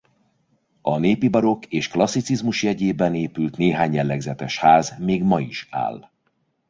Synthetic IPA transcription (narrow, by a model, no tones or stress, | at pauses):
ɒneːpibɒɾo̞keːʃklɒsːit̪sizmuʃjɛɟeːbɛneːpylt̪neːɦaːɲjɛlːɛɡzɛt̪ɛʃhaːzmeːɡmɒiʃa̰ːl